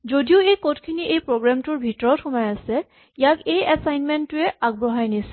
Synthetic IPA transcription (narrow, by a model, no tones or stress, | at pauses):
zodiʊejkotkʰiniʔejpɹoɡɹamtʊɹbʱitɔɹɔtxʊmajasɛ | ijakejasajnmɛntːʊɛaɡ̚bɹɔɦajnisɛ̥